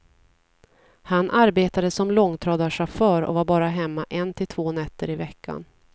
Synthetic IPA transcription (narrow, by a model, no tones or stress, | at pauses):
hanʔaɾbeːt̪ad̪əsɔmlɔŋːt̪ʰɾɑːd̪aʂafœːɾɔ̰vaɾbɑːɾaɦɛmːaʔɛnt̪ʰɪlt̪ʰvoːnɛt̪ːəɾɪvɛkʰːa̰n